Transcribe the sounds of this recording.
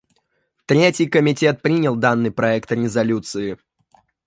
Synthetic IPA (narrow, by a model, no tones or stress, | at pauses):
t̪ɾʲetʲɪjkəmʲɪtʲe̞t̪̚pɾʲinʲəlˠd̪anːɨjpɾɐɛkt̪ɾʲɪzɐlʲut̪sɨɪ